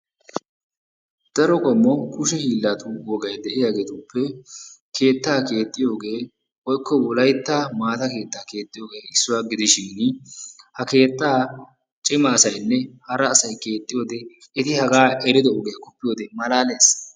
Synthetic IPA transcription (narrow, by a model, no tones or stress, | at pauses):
d̪̥ɐɾɔkʼɔmːɔkʊʃɛhiːlːat̪uwɔɡɐjd̪ɛʔɪjaːɡet̪ʊpʰːɛkʰe̞ːt̪ːaːke̞ːt̪ʼːɪjo̞ːɡe̞ː | wɔjkʰːɔwɔlɐjt̪ːaːmaːt̪ɐke̞ːt̪ːaːke̞ːt̪ʼːɪjo̞ːɡe̞ːɪsːʊwaːɡɪd̪ɪʃɪn | hɐke̞ːt̪ːaː | t͡ʃʼɪmɐːsɐjnːɛhɐɾɐːsɐjke̞ːt̪ʼːɪjo̞ːd̪ɛ | ɪt̪ɪhɐɡaːʔɛɾɪd̪ɔoɡɛjɐkɔpːɪjo̞ːd̪ɛmɐlaːle̞ːs